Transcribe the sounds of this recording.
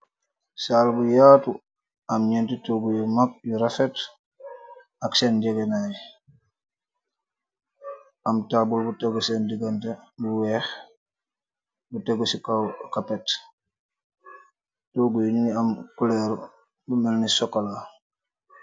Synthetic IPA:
saːlbujaːtu | ɐmɲentitoɡujumak̚juɾafet | aksendɛɡenaj | amtabulbuteɡusendiɡantebuwɛx | buteɡusikakapɛt | toɡujuniniamkuleɾu | bumelnisɔkːala

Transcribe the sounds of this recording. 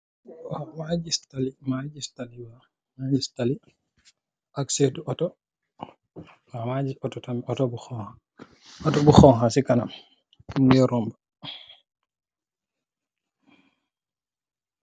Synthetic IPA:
mad͡ʒistalimad͡ʒistaliwa | mad͡ʒistali | ʔaksetuʔɔtɔ | wamad͡ʒiɔtɔtamiɔtɔbuxɔha | ɔtɔbuxɔŋɦasikanam | kumɡɛɾɔmba

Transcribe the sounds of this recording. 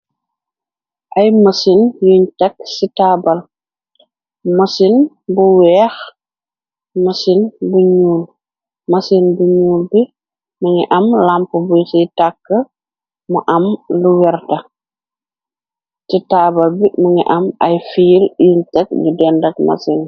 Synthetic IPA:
ʔɐjmɐsinjuɲtɐk̚sitaːbɐl | mɐsin | buwɛːx | mɐsinbuɲuːl | mɐsinbuɲuːlbi | mɐŋḭʔɐmlampubusitakːə | muʔɐmluwɛrtɐ | sitaːbɐlbimɐŋḭʔɐmɐjfiljuɲtɐk̚ɲudɛndɐk̚mɐ̰sin

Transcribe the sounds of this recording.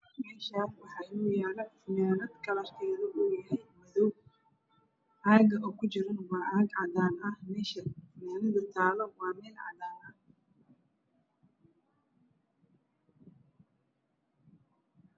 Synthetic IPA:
mɛːʃaːswɑħɑjjaːlɐfɪmaːlɐd̪kʰɐlɐrk̪ʰɛːðɐʔuːjɐɦɛjmɐðɔw | ʔaːɡɐʔɔːkʰʊd͡ʒɪɾɐnwɑːʔɐɡʕɑd̪aːnɐhmɛːʃɐfɪmaːlɐðɐt̪ʰaːlɔwɑːmɛːlʕɑ̰d̪aːnɐ

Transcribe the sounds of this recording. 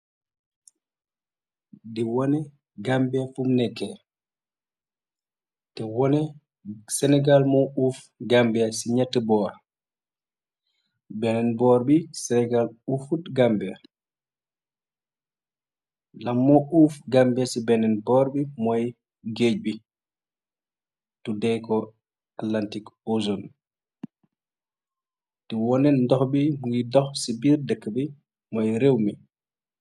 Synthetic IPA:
diwɔnɛ | ɡambɛfumnɛkːɛ | tɛwɔnɛ | sɛnɛɡalmɔuf | ɡambɛsiɲɛtːɛbɔɾ | bɛnɛnbɔɾbisɛnɛɡalufutɡambɛ | lamːɔʔufɡambɛsibɛnɛnbɔɾbimɔj | ɡed͡ʒ̚bi | tudɛjkɔ | atlantikɔzɔn | tiwɔnɛndɔxbimuidɔxsibiɾdɛkːbi | mɔjɾewmi

